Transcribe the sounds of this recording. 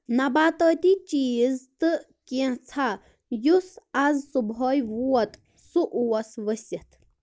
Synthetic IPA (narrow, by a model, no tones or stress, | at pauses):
nabaːt̪ət̪it͡ʃiːzt̪ɨ | kãt͡sʰa | jusazsubʱɔjʋuɐt̪ | suʔuwɐsʋəsjɐt̪ʰ